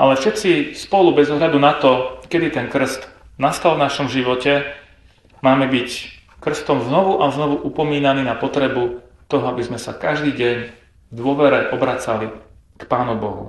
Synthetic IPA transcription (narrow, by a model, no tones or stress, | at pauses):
ʔa̰lɛfʃɛt̪t͡sispɔlubɛzɔɦʎad̪unat̪ɔkɛd̪it̪ɛnkr̩st̪ | nast̪alˠvnaʃɔmʒiʋɔcɛ | maːmɛbic | kr̩st̪ɔmznɔʋuʔaznɔʋuʔupɔmiːnaniːnapɔt̪ɾɛbu | t̪ɔɦɔabizmɛsa̰kaʒd̪iːɟɛɲ | vd̪ʊɔʋɛɾɛʔɔbɾat͡sali | kpaːnubɔ̰ɦṵ